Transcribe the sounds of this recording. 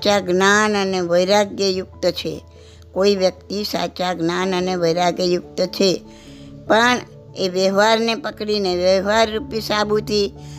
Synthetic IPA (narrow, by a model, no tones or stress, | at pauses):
t͡ʃaɡnanəneʋəjɾaɡjəjʊk̚t̪ət͡ʃʰḛ | koiʋjək̚t̪isa̰t͡ʃaɡnanəneʋəjɾaɡjəjʊk̚t̪ət͡ʃʰe | pəɳ | eʋjəɦʋaɾnepəkɽineʋjəʋaɾːupisabʱut̪ʰi